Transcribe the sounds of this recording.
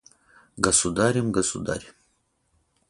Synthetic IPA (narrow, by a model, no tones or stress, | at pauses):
ɡasud̪aɾimɡasṵd̪a̰ɾim